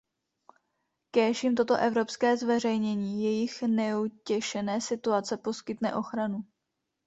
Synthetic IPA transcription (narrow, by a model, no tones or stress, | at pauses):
kɛːʃimt̪o̞t̪o̞ʔɛvɾo̞pskɛːzvɛr̝ɛjɲɛɲiːjɛjɪxnɛucɛʃɛnɛːsɪt̪uat͡sɛpo̞skɪt̪nɛ̰ʔo̞xɾanu